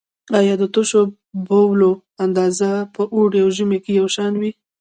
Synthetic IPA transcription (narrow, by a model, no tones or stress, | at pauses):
ɑjɑd̪ət̪ʊʃo | bowlo | and̪ɑzapəʔuɽeawʒumekejawʃɑnwi